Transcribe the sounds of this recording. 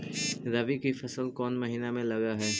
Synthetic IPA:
ɾaʋikifɐsəlkɔːnmɐɦiːnamẽlɐɡaɦɛː

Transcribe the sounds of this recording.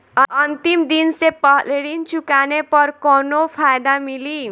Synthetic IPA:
ʌʌnt̪imd̪insepʌleɽint͡sukanepʌrkɔnopʰajd̪amili

